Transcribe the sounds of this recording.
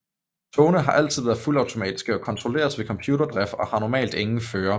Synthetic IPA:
t͡sʰoːnəɦɑ̈ʔæl̰t͡sʰið̞̰ˠʋæɐð̩ˠfulɑ̈ʊt͡sʰo̝mɛ̰ːd̥isɡ̥əɒ̽kʰɒ̽nt͡sʰʁo̝le̝̰ːɐðˠsʋe̝kʰɒ̽mpʰjuːɾ̥ɐd̥ʁɛfɒ̽hɑ̈nɒmɛ̰ːld̥eŋn̩føːɐ

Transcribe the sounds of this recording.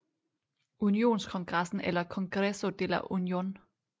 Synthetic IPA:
ʔunio̝̰ːnskʰɒ̽ŋɡ̥ʁäsn̩elɐkʰɒ̽ŋɡ̥ʁesod̥elɐʔunjo̝̰ːn

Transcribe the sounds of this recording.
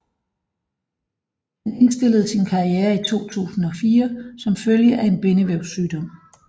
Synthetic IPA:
hæne̝nsd̥e̝l̰əð̞̩ˠsinkʰɑ̈ieːɐit͡sʰo̝̰ːt͡sʰṵːsn̩ɒ̽fiːɐsɒ̽mføljəʔæe̝nb̥e̝nəʋæʊsyːd̥ɒ̽m̰

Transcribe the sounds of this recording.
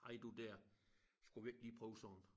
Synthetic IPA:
ɑɪd̥ud̥ɛɐ̰sɡ̥uʋieɡ̥liːpʰʁɔːʊsɒn̩

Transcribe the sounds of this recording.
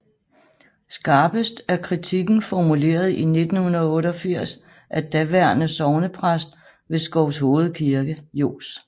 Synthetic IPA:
sɡ̥ɑ̈ːb̥əsd̥æɐkʰʁit͡sʰiɡ̥n̩fɒmule̝̰ːɐð̞̩ˠine̝d̥n̩hunɐðˠɔ̽ːɾɒ̽fiɐ̰s | ʔæd̥æʋæɐ̰nəsɒʊnəpʰʁasd̥ | ʋe̝sɡ̥ɒʊsho̝ːð̞̩ˠkʰiɐɡ̥əjo̝̰ːs

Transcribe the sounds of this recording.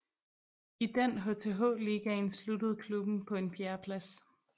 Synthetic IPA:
id̥en̰ɦo̝t͡sʰe̝ɦɔ̰ːliɡ̥ɐe̝nslud̥əð̞̩ˠkʰlub̥n̩pʰɒ̽e̝nfʰjæɐpʰlæs

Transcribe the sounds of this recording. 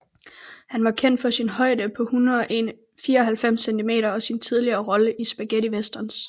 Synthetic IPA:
hænʋɑ̈kʰen̰d̥fɒ̽sinɦɒ̽ɪ̰d̥əpʰɒ̽hunɐðˠʔe̝n | fiːɐɒ̽ɦælfem̰sent͡sʰime̝̰ːɾɐɒ̽sint͡sʰiðˠliɐːʁɒ̽ləʔisb̥æɡ̥eɾiʋesd̥ɐns

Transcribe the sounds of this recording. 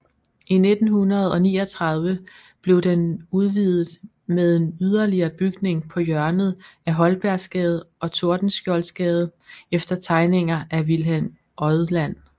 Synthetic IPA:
ʔine̝d̥n̩hunɐð̞ˠɒ̽niːɒt͡sʰʁɑ̈ð̞ˠʋə | b̥le̝ʊd̥enuð̞ˠʋiðˠð̩ˠ | meðˠe̝nyð̞ˠɐliɐːb̥yɡ̥ne̝ŋpʰɒ̽jɶɐnð̞̩ˠæɦɒ̽lb̥æɐsɡ̥ɛːð̞̩ˠɒ̽t͡sʰo̝ɐ̰d̥n̩sɡ̥jɒlsɡ̥ɛːð̞̩ˠefd̥ɐt͡sʰɑ̈ɪne̝ŋɐʔæʋilɦem | ʔɒðˠlæn̰

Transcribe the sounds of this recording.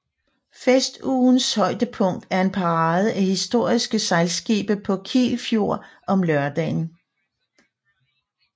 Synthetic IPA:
fesd̥uːn̩shɒ̽ɪ̰d̥əpʰɔ̽ŋ̰d̥æɐe̝npʰɑ̈ʁɑ̈ːð̞ˠəʔæhisd̥o̝ɐ̰isɡ̥əsɑ̈ɪlsɡ̥ḭːb̥əpʰɒ̽kʰḭːlfjo̝ɐ̰ | ɒ̽mlɶɐd̥ɛ̰ːn̩

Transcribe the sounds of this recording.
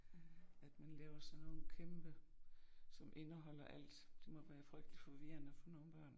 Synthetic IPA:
æd̥mænlɛːʊɐsɒnoðkʰemb̥ə | sɒ̽mʔe̝nəɦɒ̽l̰ɐʔæl̰d̥d̥emɒ̽ʋæːɐfʁœɡ̥̚d̥li̥fɒ̽ʋiɐnəfɒno̝ːn̩b̥ɶɐ̰n

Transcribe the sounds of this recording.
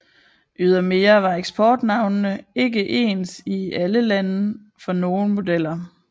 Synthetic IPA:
ʔyð̞ˠɐme̝ːɐʋɑ̈eɡ̥sb̥ɒːd̥nɑ̈ʊnnəe̝ɡ̥əʔe̝̰ːnsiæləlænə | fɒ̽no̝ːn̩mo̝d̥el̰ɐ

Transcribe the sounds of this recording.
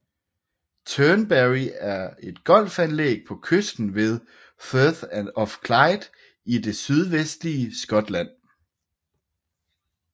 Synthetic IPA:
t͡sʰœnbæʁiæɐe̝d̥ɡ̥ɒ̽l̰fænlḛːɡ̥̚pʰɒ̽kʰøsd̥n̩ʋe̝ð̞ˠ | føθænɒfkʰlɑ̈ɪd̥ | id̥e̝syð̞ˠʋesd̥liəsɡ̥ɒ̽d̥læn̰

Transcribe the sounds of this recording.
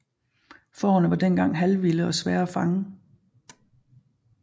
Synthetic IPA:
fɒ̰ːnəʋɑ̈d̥enɡ̥ɑ̈ŋ̰ɦælʋiləɒ̽sʋɛːɐæfɑ̈ŋə

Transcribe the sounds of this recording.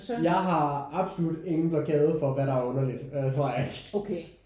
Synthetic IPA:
jɑ̈ɪɦɑ̈ɑ̈b̥solud̥e̝ŋn̩b̥lɒkʰɛːð̞ˠfɒ̽ʋæɾɑ̈æɐɔ̽nɐlid̥øt͡sʰʁo̰ɐjɑ̈eɡ̥okʰe

